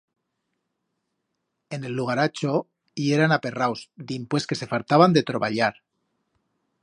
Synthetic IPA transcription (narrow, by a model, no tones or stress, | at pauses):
e̞ne̞lːuɣ̞aɾat͡ʃo̞ | ie̞ɾanape̞rawsd̪impwe̞ske̞se̞falt̪aβand̪e̞t̪ɾo̞βa̰ʎaɾ